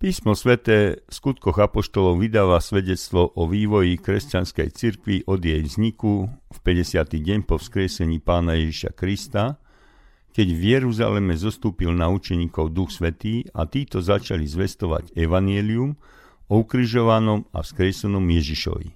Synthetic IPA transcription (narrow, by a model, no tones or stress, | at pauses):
piːsmɔsʋɛt̪ɛːfskut̪̚kɔɣapɔʃt̪ɔlɔʊʋid̪aːʋasʋɛɟɛt͡st̪ʋɔʔɔʋiːʋɔjikɾɛscanskɛ̰jt͡siɾkʋiʔɔd̪jɛjvzɲikufpɛɟɛsɪat̪iɟɛɲpɔfskɾɪɛsɛɲiːpaːnajɛʒiʃa̰kɾist̪a | kɛɟvjɛɾuza̰lɛmɛzɔst̪uːpilnaut͡ʃɛɲiːkɔʊd̪uxsʋɛt̪iːa̰t̪iːt̪ɔzat͡ʃalizʋɛst̪ɔʋa̰ɟɛʋaɲɪɛlium | ɔukɾiʒɔʋanɔma̰fskɾɪɛsɛnɔmjɛʒiʃɔ̰ʋḭ